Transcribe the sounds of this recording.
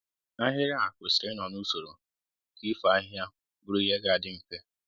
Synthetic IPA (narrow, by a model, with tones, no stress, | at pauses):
a˦ɦɪ˦ɣa˦a˨kʷʊ˨sɾɪ˦nɔ˨nu˦so˨ɾo˨ | ki˦fa˦ɦja˦ | bʊ˦ɾu˦i˦ɦe˦ɡa˨a˨dɪ˦m̩˦ke˦